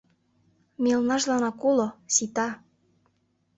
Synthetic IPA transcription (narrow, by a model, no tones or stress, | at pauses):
melnɑʃlɑnɑkulosit̪ɑ